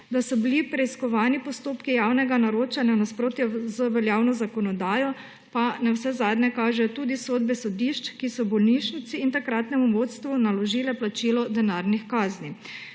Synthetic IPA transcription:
d̪asɔbilipɾɛiskɔʋaːnipɔst̪oːpkijawnɛɡanaɾoːt͡ʃanjanaspɾoːt̪jɛzəʋɛljaːwnɔzakɔnɔd̪aːjɔ | panɛwsɛzaːd̪nɛkaːʒɛjɔt̪uːd̪isoːd̪bɛsɔd̪iʃt͡ʃkisɔbɔlniʃnit̪siːnt̪akɾat̪nɛmuʋot̪st̪ʋunalɔʒiːlɛplat͡ʃiːlɔd̪ɛnaɾnixkaːzni

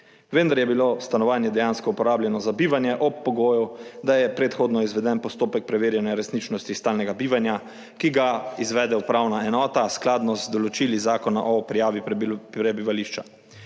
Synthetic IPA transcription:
ʋənd̪aɾjɛbilost̪anɔʋaːnjɛd̪ɛjaːnskɔupɔɾaːblʲjɛnɔzabiːʋanjɛʔɔpːɔɡoːjɔd̪ajɛpɾet̪xoːd̪nɔizʋɛd̪ɛnpɔst̪oːpɛk̚pɾɛʋeːɾjɛnjaɾɛsnit͡ʃnɔst̪ist̪aːlnɛɡabiːʋanja | kiɡaizʋɛːd̪ɛupɾawnaɛnɔːt̪asklaːd̪nɔzd̪ɔlɔt͡ʃilizaːkɔna̰ʔɔpɾijaːʋipɾɛbiʋaliʃt͡ʃa

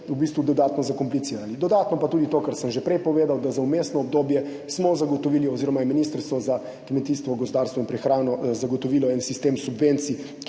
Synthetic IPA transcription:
ubiːst̪ʋud̪ɔd̪aːt̪nɔzakɔmplit̪siːɾalid̪ɔd̪at̪nɔpat̪uːd̪it̪oːkəɾsəmʒɛpɾɛjpɔʋeːd̪awd̪azaumest̪nɔɔb̚d̪oːbjɛ | smɔzaɡot̪ɔʋiːliɔziːɾɔmajɛminiːst̪əɾst̪ʋɔza | kmɛt̪iːst̪ʋɔɡɔspd̪aːɾst̪ʋɔinpɾɛxɾaːnɔzaɡɔt̪ɔʋiːlɔɛnsist̪eːmsubʋent̪si | k

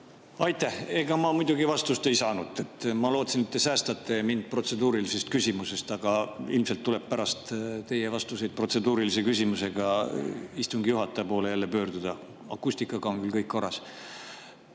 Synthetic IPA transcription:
ɑjt̪ːˑæhe̞ɡ̥ɑmɑmujd̪̥ʲuɡivɑst̪ust̪e̞jsɑːnud̪̥e̞t̪ːˑmɑlo̞ːt̪sinit̪ːe̞sæːst̪ɑt̪ːˑemind̪̥̚pro̞t̪se̞d̪uːɾilise̞st̪̚kysʲimuse̞st̪ɑɡ̥ɑilmse̞lt̪ːule̞bpæɾɑst̪t̪e̞je̞vɑst̪use̞jd̪̥̚pro̞t̪se̞d̪uːɾilise̞kysʲimuse̞ɡ̥ɑ | ist̪uŋɡijuɦɑt̪ːˑɑɑpo̞ːle̞jælːe̞pø̞ːrd̪ud̪̥ɑ | ɑ̰kːˑusʲt̪ikːˑɑɡ̥ɑo̞ŋkylkɤjkko̞rːɑs

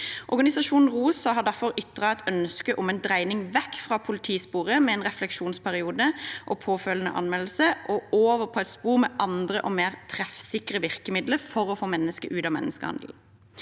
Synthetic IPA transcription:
ʔɔʁɡɑnɪsɑʃuːnn̩ʁuːsɑɦɑd̪æʁfɔʁʏt̪ːəʁɑɛt̪œnskəʔʊmɛnd̪ʁæɪnɪŋʋɛkːfʁɑːpʰʊlɪt̪ʰiːspuːʁəmɛɛːnʁɛflɛkʃuːnspʰæʁɪuːd̪əʔɔpʰoːfœlənə̰ʔɑ̰nmɛll̩səʔɔoːʋəpʰɔɛt̪spuːʁmɛʔɑnd̪ʁəʔɔmeːʁt̪ʰʁɛfsɪkʁəʋɪʁkəmɪd̪ləfɔʁɔfoːmɛnːəskə̰ʔʉːt̪ɑmɛ̰nːəskə̰hɑ̰nd̪l̩

